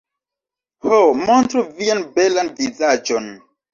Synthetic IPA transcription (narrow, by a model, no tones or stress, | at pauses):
homontɾuvianbelanvizad͡ʒon